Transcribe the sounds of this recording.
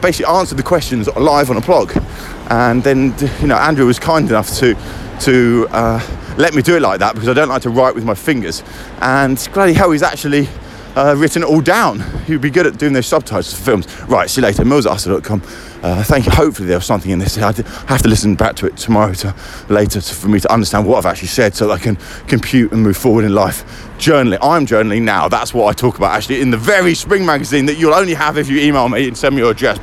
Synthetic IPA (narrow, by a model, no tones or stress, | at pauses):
beɪsɪkliɑ̃ˑnsəd̪̚ðəkʰw̥ɛst͡ʃɨ̃nzə̰laɪvə̃n̩əpʰl̥ɒɡ | ʔə̃nðɨ̃njɨnoʊʔæ̃ndɹʉwɒz̥kʰãɪ̃ndɨnʌftʰɨ | tʰɨʌlɛt̚midɨɪt̚ˡla̰ɪk̚ðæt̚b̥kʌzaɪdõʊ̃nʔlaɪk̚tʰəɹaɪʔwɨðmaɪfɪ̃ŋɡə˞z̥ | ʔə̃nɡ̥ɹædihaʊizæ̰k̚t͡ʃul̩ˠi | ʌɹɪʔn̩ɔlˠdãʊ̃nhiwd̚biɡʊɾɨt̚d̥ʉɪ̃ŋðəʊzsʌb̚tʰaɪpz̥əfɪlˠmz̥ | ɹaɪtsileɪɾəmɪlˠzɑ̰səlɔt̚kʰʌ̃m | ʔʌθæ̃ŋkjəhəʊpfl̩ˠiðəz̥sʌ̃mθɪ̃ŋɪ̃nðɪsɛaɪ | haftəlɪsə̃nba̰k̚tʰəɪtʰəmɑɹəʊtʰə | leɪtətʰəfəmitʰəʔʌ̃ndəstæ̃nd̚wʌtaɪvæ̰k̚t͡ʃʉl̩ˠisɛd̥səʊðəɾaɪkʰɨ̃n | kʰə̃mpʰj̥ʉˑtə̃nmʉːv̥fɔːwəɾɪ̃nlaɪf | d̥ʒ̥ɜˑ˞nl̩ˠiʔãɪ̃md͡ʒɜ˞nl̩ˠina̰ʊða̰tswɒtaɪtʰɔˑkəbaʊta̰kt͡ʃʉl̩ˠiɪ̃nðəvɛɹispɹɪ̃ŋmæɡəzĩnðɨt͡ʃəlˠə̃ʊ̃nliəvɪfjəiːmeɪlˠmiɨ̃nsɛlˠmiə˞ədɹɛs